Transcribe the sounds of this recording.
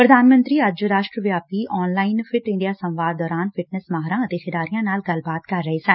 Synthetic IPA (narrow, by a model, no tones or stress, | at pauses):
pɾəd̪aːnmə̃nt̪ɾiːəd͡ʒɾaːʃʈɾəʋjaːp̚t̪iːʔɔːnlaːɪnpʰɪʈɪ̃ɳɖijaːsə̃mʋaːd̪̚ɔːɾaːnpʰɪʈnəsmaːɦɾãːət̪eːxɪd̪aːɾijãːnaːlɡəlbaːt̪kəɾːəɦeːsə̃n